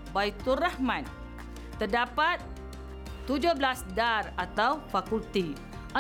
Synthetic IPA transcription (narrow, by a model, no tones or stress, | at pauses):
bait̪urahmãn | t̪ərdapat̪̚ː | ud͡ʒʊhblasdarat̪awfakult̪i | ʔə̃